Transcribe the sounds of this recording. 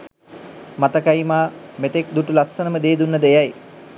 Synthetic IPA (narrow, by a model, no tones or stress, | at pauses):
mat̪əkajmaːmet̪ek̚d̪uʈulasːənəməd̪eːd̪unːəd̪əejaj